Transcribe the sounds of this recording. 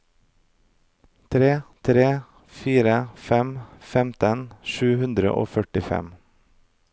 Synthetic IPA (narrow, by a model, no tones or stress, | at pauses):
t̪ʰɾeːt̪ʰɾeː | fiːɾəfɛmfɛmt̪ənʃʉːhʉnd̪ɾə̰ʔo̰ːfœʈɪfɛ̰m